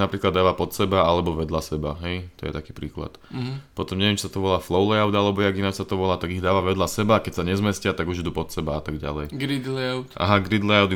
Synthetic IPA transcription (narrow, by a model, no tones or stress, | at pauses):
napɾiːklad̪ːaːʋapɔt̪sɛbaalɛbɔʋɛd̪lasɛbaɦɛjt̪ɔ̰jɛ̰t̪akiːpɾiːkla̰t̪pɔt̪ɔmɲɛʋɛmt͡ʃisat̪ɔʋɔlaːflɔʊlɛaʊd̪alɛbɔjɛaɡinat͡ʃsat̪ɔʋɔlaːt̪aɡiɣd̪aːʋaʋɛd̪lasɛbaːkɛcsaɲɛzmɛscɪat̪aɡuʒid̪uːpɔt̪sɛbaat̪aɡɟa̰lɛjɡɾid̪lɛaʊt̪ʔa̰ɦaɡɾid̪lɛaʊd̪